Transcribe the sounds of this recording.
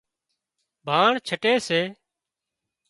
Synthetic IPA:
bʱaːɳt͡ʃʰəʈeːseː

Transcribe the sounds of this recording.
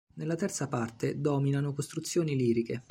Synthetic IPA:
nelːat̪ɛrt̪sapart̪ed̪ɔːminanokost̪ɾut̪sːjoːniliːɾike

